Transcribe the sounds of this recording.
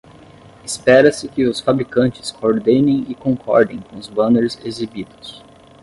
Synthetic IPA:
ɪspɛɾɐsɪkɪʊsfabɾikɐ̃nt͡ʃɪ̥skʰooɾd̪ẽnẽj̃ɪkõŋkʰɔ̰ɾd̪ẽj̃kõʊzbɐ̃neɾzezibid̪ʊ̥s

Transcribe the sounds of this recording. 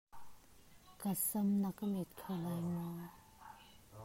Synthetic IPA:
kasəmnakamɛt̪̚kʰalajmɔ

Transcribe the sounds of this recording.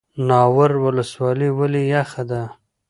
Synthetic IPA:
nɑwaɾwʊləswɑliwalijaxad̪a

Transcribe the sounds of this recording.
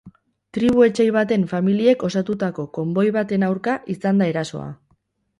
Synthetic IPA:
t̪ɾiβ̞ue̞t͡ʃe̞jβ̞at̪e̞ɱfamilie̞ko̞sat̪ut̪ako̞ko̞mbo̞jβat̪e̞nawɾkaʔisand̪ae̞ɾaso̞̰a̰

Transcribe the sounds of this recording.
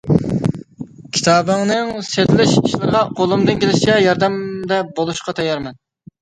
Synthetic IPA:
kʲʰi̥t̪ʰɑːbɨŋnɨŋset̪lɪʃiʃlˠɨɾʁɑqʰolˠumd̪ɨnkʲelɪʃit͡ʃʰɛjɑɾd̪ɛmd̪ɛbolˠuʃqɑt̪ʰɛjːɑɾmɛn

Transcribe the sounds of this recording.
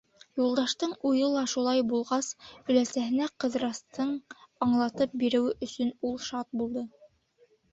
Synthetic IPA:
julˠd̪ɑʃt̪ɤɴujɤ̆lˠɑʃulˠɑjbulˠʁɑsɵ̆læsæɦɘ̆næqɤ̆ðɾɑst̪ɤɴɑɴlˠɑt̪ɤp̚biɾɘ̆wɘʔɵ̆sɵnulˠʃɑt̪̚bulˠd̪ɤ

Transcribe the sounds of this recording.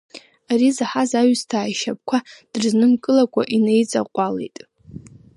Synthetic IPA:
aɾizaħazaɥstʰaːjʃap̚kʷʰad̥ɨrznɨmkʼɨlakʷʼa̰ʔinejt͡sʼa̰qʷʼale̞̰jtʼ

